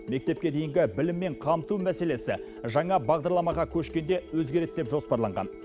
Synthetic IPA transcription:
me̞k̚t̪e̞p̚kʲe̞d̪ejɪŋɡʲɪbɪlɪmːe̞ɴqʰɑmt̪umæse̞le̞sɪ | ʒɑɴɑbɑʁd̪ɑɾlˠɑmɑʁɑkʲʰɵʃkʲe̞nd̪e̞wɵzɡʲeɾe̞t̪̚d̪e̞pʒospɑɾlˠɑɴʁɑ̰n

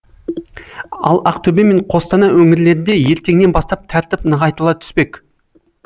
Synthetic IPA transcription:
ɑ̰lˠɑqt̪ʰɵbe̞me̞ɴqʰo̞st̪ɑnɑwɵŋɪɾle̞ɾɪnd̪e̞je̞ɾt̪e̞ŋne̞nbɑst̪ɑp̚t̪ʰɑɾt̪ɪpnəʁɑjt̪əlˠɑt̪ʰʏ̥spe̞k

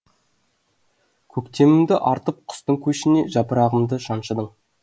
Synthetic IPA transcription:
kʲʰɵkt̪e̞mɪmd̪ɪʔɑɾt̪əp̚qʰʊ̥st̪əɴkʲʰɵʃɪne̞ʒɑpəɾɑʁəmd̪əʃɑnʃəd̪əɴ

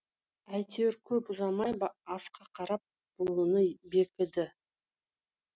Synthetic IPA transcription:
æjt̪ʰewɾkʲʰɵpʊzɑmɑjbɑɑsqɑqʰɑɾɑp̚ | b̥ʊlˠunəbe̞kʲɪd̪ɪ

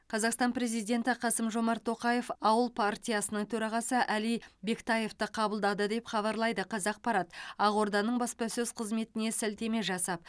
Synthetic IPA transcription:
qʰɑzɑqst̪ɑnpɾe̞zijd̪ʲe̞nt̪ɪqʰɑsəmʒo̞mɑɾt̪ʰːo̞qɑje̞fɑwəlˠpʰart̪ʲijasənəɴt̪ʰɵɾɑʁɑsəʔælijbe̞kt̪ɑje̞ft̪əqʰɑbəlˠd̪ɑd̪əd̪e̞pχɑβɑɾlˠɑjd̪əqʰɑzɑq̚pɑɾɑt̪ɑʁo̞ɾd̪ɑnəɴbɑspɑsɵz̥qʰəzme̞t̪ɪne̞sɪlt̪e̞me̞ʒɑsɑp̚

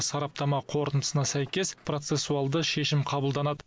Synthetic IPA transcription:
sɑɾɑp̚t̪ɑmɑqʰo̞ɾənd̪ə̥sənɑsæjkʲe̞spʰro̞t̪se̞sːuɑlˠd̪əʃe̞ʃɪmqʰɑbəlˠd̪ɑnɑd̪ə

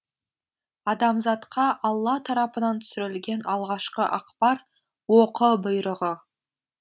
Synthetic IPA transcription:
ɑd̪ɑmzɑt̪qʰɑʔɑlˠːɑt̪ʰɑɾɑpənɑnt̪ʰʏ̥sɪɾɪlɡʲe̞nɑlˠʁɑʃqəʔɑqpɑɾ | woqəbʊjɾəʁə

